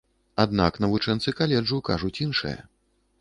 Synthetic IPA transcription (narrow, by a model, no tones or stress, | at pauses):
ad̪naknɐvut͡ʂɛnt̪sɨkalʲɛd͡ʐuka̰ʐut͡sʲinʂɨ̰jɐ̰